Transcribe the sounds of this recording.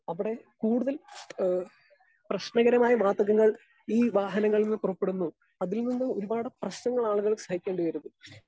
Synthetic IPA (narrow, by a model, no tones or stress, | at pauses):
ɐʋiɽe̞kuːɽuðɐl | prɐɕnɐɣɐɾɐmaːjɐʋaːd̪ɐɣɐŋːɐɭ | iːʋaːɦɐnɐŋːɐɭilninːɨpurɐpːe̞ɽunːu | ɐðilninːɨo̞ɾubaːɽɨprɐɕnɐŋːɐɭaːɭuɣɐɭsɐhikʲːeːɳɖɨʋɐɾunːu